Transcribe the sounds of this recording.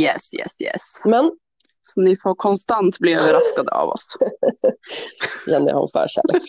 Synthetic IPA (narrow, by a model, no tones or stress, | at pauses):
jɛsːjɛ̰sːjɛ̰smɛn | sɔnɪfoːɾkʰɔnst̪ant̪bliːøːvəɾaskad̪əa̰vɔ̰s | jɛnd̪əja̰hnfœ̰ːɾɕæ̰ːl